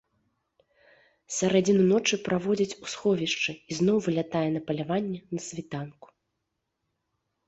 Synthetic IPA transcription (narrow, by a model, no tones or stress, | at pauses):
sʲaɾad͡zʲinunɔt͡ʂɨpɾavɔd͡zʲɐt͡sʲusxɔvʲiʂt͡ʂɨiznɔwvɨlʲat̪ajɛn̪ɐpɐlʲavanʲːɛnɐsʲvʲit̪anku̥